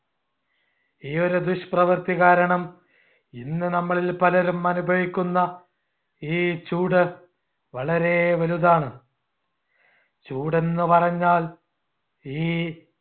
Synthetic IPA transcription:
iːo̞ɾud̪uɕprɐʋɐrt̪iɣaːɾɐɳɐm | inːɨnɐmːɐɭilpɐlɐɾumɐnubʱɐʋikʲːunːɐ | iːt͡ɕuːɽɨ | ʋɐɭɐɾe̞ʋɐluðaːɳɨ | t͡ɕuːɽe̞nːɨpɐrɐɲːaːl | iː

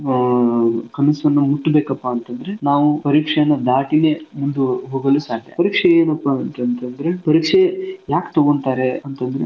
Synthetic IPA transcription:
kɐmisɐnːɐmuʈːbeːkɐpːaːnt̪ɐnd̪ɐɾenaːʋupɐɾiːkʂɐjɐnːɐd̪aːʈine̞ːmund̪uɦoːɡɐlusaːʈːḛpɐɾiːkʂeeːnɐpːaɐnt̪ɐnt̪ɐnd̪ɐɾepɐɾiːkʂejaːkt̪ɐɡont̪aːɾeɐnt̪ɐnd̪ɐɾe

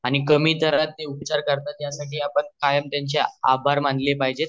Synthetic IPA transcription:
aɽ̃ikəmiːt̪əɾat̪ːeupt͡ɕaɾkəɾt̪at̪jasaʈiːapəɳkajəmt̪jaɲt͡ɕeabʱaɾmaɳd̪lepaɦid͡ʑet̪

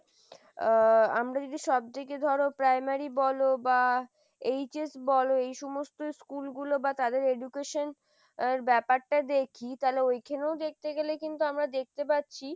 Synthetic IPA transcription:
a̰mɾad͡ʑodiʃɔb̚d̪iked̪ʱɔɾopɾajmaɾibɔloba | ejt͡ɕesbɔloejʃɔmost̪oskulɡulobat̪ad̪eɾeɖukeʃon | eɾbɛpaɾʈad̪ekʰit̪aleojkʰeneod̪ek̚t̪eɡelekint̪uamɾad̪ek̚t̪epat̪ːɕʰi

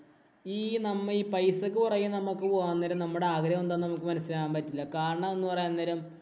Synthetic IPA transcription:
iːnɐmːɐiːpɐjsɐk̬ːɨpurɐjːumnɐmukːɨpoːanːeɾɐmnɐmːuɽeaːɡɾɐjɐmond̪aːnnɐmukːɨmɐnɐsilaaːmpɐtːilːɐkaːɾɐɳɐmenːɨpɐrɐjanːeːɾɐm

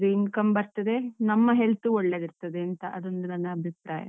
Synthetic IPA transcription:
d̪uinkɐmbɐɾt̪ɐd̪e̞nɐmːɐɦelt̪uoɭːeɡ̪iɾt̪ɐd̪eɐnt̪ɐʔɐd̪o̞nd̪unɐnːɐːbʱipɾa̰ːjɐ̰

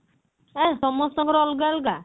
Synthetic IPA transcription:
ɛsɔmɔst̪ɔŋɡɔɾɔlɡalɡa

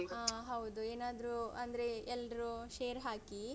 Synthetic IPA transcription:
aːɦɐwd̪ueːnaːd̪ɾuɐnd̪ɾe̞ɛlːɾuʃeːɾɦaːki

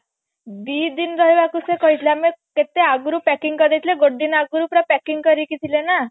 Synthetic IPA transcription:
b̪id̪inɾɔɦibakusekɔɦit̪ʰlameket̪eaɡuɾupɛkiŋkəd̪ejt̪ʰleɡoɖːinaɡɾupɾapɛkiŋɡkəɾiːkit̪ʰilena

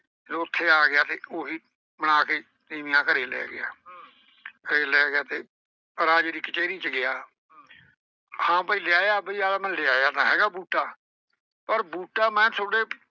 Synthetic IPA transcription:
loʊt̪ʰːeːaːɡɪjaːt̪eːʔoːɦiː | mənaːkeː | t̪iːmɪjãːkəɾeːlɛ̰ːɡɪ̰a̰ː | kəɾeːlɛːɡɪjaːt̪eː | əɾaːd͡ʒeːd̪iːkət͡ʃeːɾiːt͡ʃəɡɪaː | hãːpəiːlɪaːjaːbəiːaːlaːmɛ̃ːlɪaːjaːt̪ãːɦɛːɡaːbuːʈaː | pəɾbuːʈaːmɛ̃ːt̪ʰʊɽeː

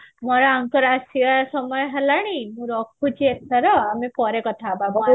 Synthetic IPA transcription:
mɔɾɔaŋkɔɾasibasɔmɔjɔɦalaɽ̃imũɾɔkʰut͡ʃʰiet̪ʰɔɾɔamipɔɾekɔt̪ʰababɔ

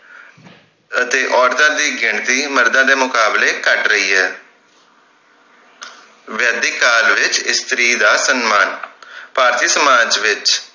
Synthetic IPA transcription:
ət̪eːʔɔːɾt̪ãːd̪iːɡɪɳt̪iːməɾd̪ãːd̪eːmʊkaːbleːkəʈɾəiːɦɛː | ʋjɛːd̪iːkːaːlʋɪt͡ʃɪst̪ɾiːd̪aːsənmaːnpaːɾt̪iːsəmaːd͡ʒʋɪt͡ʃ

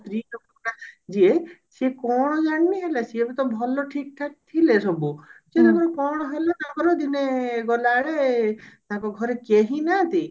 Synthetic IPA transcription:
t̪ɾiɔkɔkɽad͡ʒiesikɔɽ̃ɔd͡ʒanːiɦelasiebet̪ɔbʱɔlɔʈʰik̚ʈʰak̚t̪ʰilesɔbut͡ʃenaɡɔɾɔkɔɽ̃ɔɦelat̪akɔɾod̪ineɡɔlaɽet̪akɔɡʱɔɾekeɦinat̪i

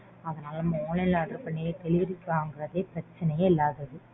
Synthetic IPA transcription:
ɐðɐnaːlɐmɐmoːlɐlaːʈɾɯpɐɳːekɐlɪɾɪkːaːŋɡɪrɐðeːpɪɾɐt͡ʃːɐnɐjɐɪlːaːðɐðɯ

